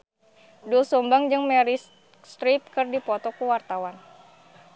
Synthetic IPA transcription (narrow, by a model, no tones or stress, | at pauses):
dulsɔmbaŋd͡ʒɨŋmɛɾi | st̪ɾip̚kɨrdipɔt̪ɔkuwart̪awan